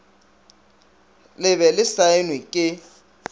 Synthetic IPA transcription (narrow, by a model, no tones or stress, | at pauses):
lɪβɛlɪsaɪnwɪkʼɪ